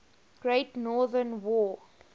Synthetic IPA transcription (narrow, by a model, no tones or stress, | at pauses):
ɡ̥ɹeɪtnɔːðənwɔː